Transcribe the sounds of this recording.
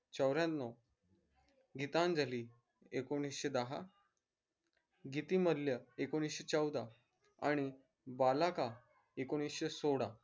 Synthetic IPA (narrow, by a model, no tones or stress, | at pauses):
t͡ɕəwɾjãt̪nɔ | ɡit̪ãnd͡zʱali | ekoɽ̃isɕed̪əɦa̰ | ɡit̪iməljəekoɽ̃isɕet͡səwd̪a | a̰ɽ̃i | balaka | ekoɽ̃isɕesoɽa